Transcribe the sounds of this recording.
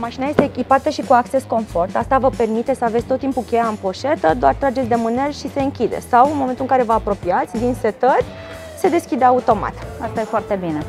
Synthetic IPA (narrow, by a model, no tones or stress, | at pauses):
maʃinaje̞st̪eːkʲipat̪əʃikuakt͡ʃe̞sko̞nfo̞rt̪ast̪avəpe̞rmit̪esəavet̪ʲt̪ot̪ːimpukʲejaɨmpo̞ʃe̞t̪əd̪oart̪ɾad͡ʒe̞t̪sʲd̪e̞mɨne̞lʃise̞ɨŋkʲid̪ḛsawɨnmo̞ment̪ulɨŋkaɾe̞vəapɾo̞piat̪sʲd̪inse̞t̪ərʲ | se̞d̪e̞skʲid̪eaut̪o̞ma̰t̪ast̪aje̞foart̪e̞bine̞